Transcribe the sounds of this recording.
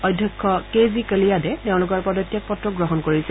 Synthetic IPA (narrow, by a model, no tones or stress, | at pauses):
ɔjdʱjɔkʰːɔkezikəlijadɛteʊ̃lʊkɔɹpɔdɔtːjak̚pɔtɹɔɡɹɔɦɔnkoɹisɛ